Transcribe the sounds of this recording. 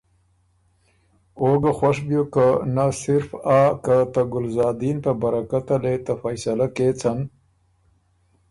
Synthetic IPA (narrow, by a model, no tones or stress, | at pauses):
oɡaxwaʂbjokanasɪɾfaːkat̪aɡʊlzɑːd̪int̪abaɾakat̪alet̪afajsalaket͡san